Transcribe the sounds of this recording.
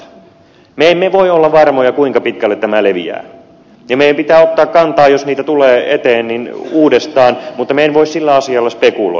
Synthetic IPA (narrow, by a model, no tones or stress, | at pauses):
meemmeʋoiolːɑʋʋɑrmojɑkuiŋkɑpit̪kælːet̪t̪æmæleʋḭæ̰ː | jɑmeijæmpit̪æːot̪ːɑːkkɑnt̪ɑːjosniːt̪æt̪uleːet̪eːnninuːdest̪ɑːnmut̪ːɑmeenʋoissilːæɑsiɑlːɑspekulo̰